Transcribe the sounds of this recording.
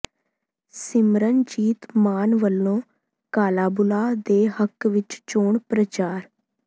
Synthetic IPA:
sɪmɾənd͡ʒiːt̪maːnʋəlːõː | kaːlaːbʊlaːd̪eːɦəkʋɪt͡ʃt͡ʃoːɳpɾət͡ʃaːɾ

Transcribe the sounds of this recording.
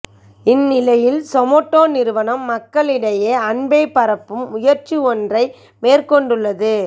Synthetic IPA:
ɪnːɪlɐjɪlsɔmɔːʈːoːnɪɾɯʋɐnɐmːɐkːɐɭɪɽɐjeːɐɳbɐɪpɐɾɐpːɯmʊjɐɾt͡ʃiɔndrɐɪ | meːrkɔɳɖɯɭːɐðɯ

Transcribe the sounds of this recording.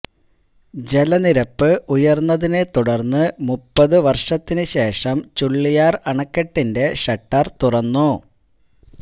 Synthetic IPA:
d͡ʑe̞lɐniɾɐpːɨʔujɐrnːɐðine̞t̪uɽɐrnːɨmupːɐðɨʋɐrʂɐt̪ːinɨɕe̞ːʂɐmt͡ɕuɭːijaːrɐɳɐkːeʈːinde̞ʂɐʈːɐrt̪urɐnːu

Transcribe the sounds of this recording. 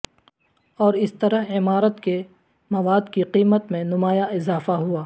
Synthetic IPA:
ɔːɾɪst̪ɐɾəɦɪmaːɾət̪ke | mɐʋaːd̪kiqiːmət̪mẽnʊmaːjaɪzaːfaɦuaː

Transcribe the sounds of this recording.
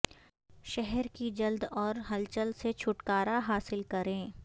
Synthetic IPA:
ʃɛɦɛɾkid͡ʒɐld̪ɔːɾɦɐlt͡ʃəlset͡ʃʰʊʈkaːɾaɦaːsɪlkɐɾẽː

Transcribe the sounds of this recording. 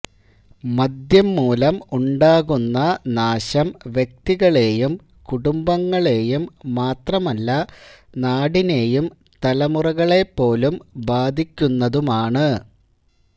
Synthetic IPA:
mɐd̪jɐmːuːlɐmuɳɖaːɣunːɐnaːɕɐmʋjek̚t̪iɣɐɭe̞jum | kuɽumbɐŋːɐɭe̞jumːaːt̪rɐmɐlːɐnaːɽine̞jum | t̪ɐlɐmurɐɣɐɭe̞pːo̞ːlumbaːd̪ʱikʲːunːɐðumaːɳɨ

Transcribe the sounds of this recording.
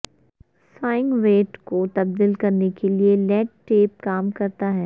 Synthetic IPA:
saːɪ̃ŋɡʋeːʈkot̪ɐb̚d̪iːlkɐɾnekelielɛːɖʈeːp̚kaːmkɐɾt̪aɦɛː

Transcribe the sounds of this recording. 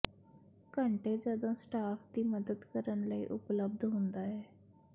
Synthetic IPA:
kəɳʈeːd͡ʒəd̪õːsʈaːpʰd̪iːməd̪əd̪kəɾənləḭːʔʊpləb̚d̪ɦʊ̃nd̪aːɛː

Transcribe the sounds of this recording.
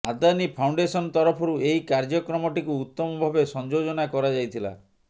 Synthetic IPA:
ad̪anipʰawɳɖesɔnt̪ɔɾɔpʰɔɾueikaɾd͡ʒɔkɾɔmɔʈikuːt̪ːɔmɔbʱabesɔnd͡ʒod͡ʒɔnakɔɾad͡ʒajt̪ʰila̰

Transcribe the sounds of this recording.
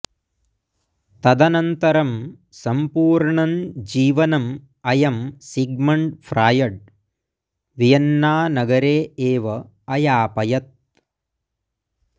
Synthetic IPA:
t̪ɐd̪ɐnɐnt̪ɐɾɐm | sɐmpuːɾɳɐnd͡ʒiːʋɐnɐm | ɐjɐmsiɡmɐɳʈpʰɾʔaːjɐɖ̚ | ʋijɐnːaːnɐɡɐɾeːeːʋɐ | ɐjaːpɐjɐt̪̚

